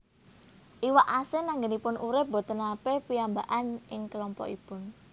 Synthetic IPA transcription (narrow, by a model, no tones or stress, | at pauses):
ʔiwaʔasenaŋɡənipʊnʔuɾɪp̚bo̤t̪ənapepiambaʔanʔɪŋkəlɔmpɔ̰ʔipʊn